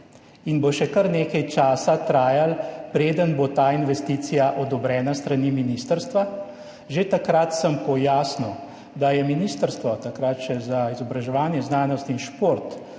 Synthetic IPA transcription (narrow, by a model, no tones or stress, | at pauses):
inboʃɛkəɾneːkajt͡ʃaːsat̪ɾaːjalpɾeːd̪ənbot̪aːinʋɛst̪iːt̪sijaʔɔd̪ɔbɾɛːnast̪ɾaniːminiːst̪əɾst̪ʋa | ʒet̪akɾat̪səmpɔjaːsniw | d̪ajɛminiːst̪əɾst̪ʋɔt̪akɾat̪ʃɛzaizɔbɾaʒɛʋaːnjɛznaːnɔst̪inʃpoːɾt̪